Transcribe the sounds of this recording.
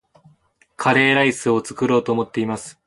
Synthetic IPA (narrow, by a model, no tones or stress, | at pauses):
kʰaɾe̞ːɾaisɨo̞t͡sɨ̥kɯ̟ɾo̞ːt̪o̞ːmo̞t̪ːe̞imasɨ̥